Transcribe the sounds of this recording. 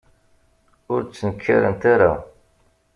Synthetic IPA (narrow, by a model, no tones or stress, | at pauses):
ʊɾt͡sːənəkʰːa̰ɾənt̪aɾa